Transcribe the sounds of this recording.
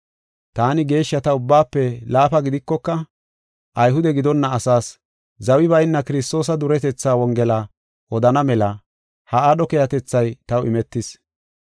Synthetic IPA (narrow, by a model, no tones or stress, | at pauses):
t̪aːnɪɡe̞ːʃːɐt̪ɐʊbːaːpːɛlaːpɐɡɪd̪ɪkːɔkːɐ | ʔɐjɦʊd̪ɛɡɪd̪ɔnːɐːsaːs | zɐwɪβɐjɪnːɐkɪɾɪst̪o̞ːs̬ɐd̪ʊɾɛt̪ɛt͡sːaːwɔŋɡɛla | ʔɔd̪ɐnɐmɛlɐ | hɐaːɗɔkɛjɐt̪ɛt͡sːɐjt̪ɐwʔɪmɛt̪ːɪs